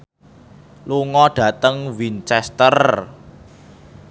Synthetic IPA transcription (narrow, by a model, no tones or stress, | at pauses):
luŋɔɖ̥ä̤t̪əŋwint͡ʃɛst̪ər